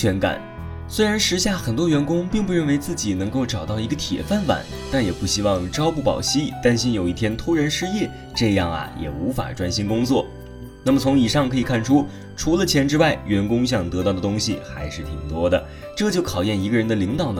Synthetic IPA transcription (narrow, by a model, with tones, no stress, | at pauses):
t͡ɕʰɥɛ˧˥nka̰˨˩˦n | swe˥ɪɻa˧˥nʂɻ̩˧˥ɕja˥˩xə˨˩nt̪wɔ˥ɥɛ˧˥nkʊ˥ŋpi˥˩˧ŋpu˧ɻə˥˩nwe˧˥ɪt͡sɹ̩˥˩t͡ɕi˨˩nɤ˧˥ŋko˥˩ʊʈ͡ʂɑ˨˩ʊt̪ɑ˥˩ʊi˧˥ɡə˧t̪ʰjɛ̰˨˩fa˥˩nfa̰˨˩˦n | t̪a˥˩njɛ˨˩pu˥˩ɕi˥wɑ˥˩ŋʈ͡ʂɑ˥ʊpu˥˩pɑ̰˨˩ʊɕi˥t̪a˥˧nɕi˥njo˨˩ʊi˥˩t̪ʰjɛ˥nt̪ʰo˥ɻə˧˥nʂɻ̩˥jɛ˥˩ | ʈ͡ʂɤ˥˧jɑ˥˩ŋɐ̰˩jʔɛ̰˨˩u˧˥fa̰˨˩ʈ͡ʂwa˥nɕi˥nkʊ˥ŋt͡swɔ̰˥˩ | na˥˩mə˩t͡sʰʊ˧˥ŋi˨˩ʂɑ˥˩ŋkʰɤ˧˥i˨˩kʰa˥˩nʈ͡ʂʰu˥ | ʈ͡ʂʰu˧˥lə˧t͡ɕʰjɛ˧˥nʈ͡ʂɻ̩˥wa˥˩ɪɥɛ˧˥nkʊ˥ŋɕ̬jɑ˥˩ŋt̪ɤ˧˥t̪ɑ˥˩ʊd̪ə˩t̪̬ʊ˥ŋɕḭ˨xa˧˥ɪʂɻ̩˥˩t̪ʰi˨˩ŋt̪wɔ˥d̪ə̰˨ | ʈ͡ʂɤ˥˧t͡ɕjo˥˩ʊkʰɑ˨˩ʊjɛ˥˩ni˧˥ɡə˧ɻə˧˥nd̪ə˨li˧˥ŋt̪ɑ˨˩ʊnə